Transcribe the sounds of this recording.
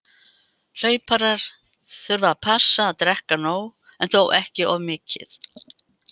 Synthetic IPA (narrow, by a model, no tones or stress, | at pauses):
l̥œːɥpaɾaɾ̥ | θʏɾvaapʰasːaːðt̪ɾɛhkanoːw | ɛnθowʔɛhcɪʔɔvmɪːcɪ̰θ